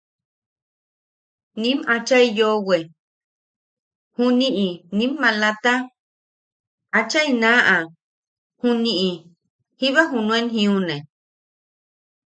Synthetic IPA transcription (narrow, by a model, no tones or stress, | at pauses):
nĩmat͡ʃaijowe | hũnĩʔinĩmːãlat̪a | at͡ʃainãʔa | hũnĩʔi | hiβaɦunũenɦĩunẽ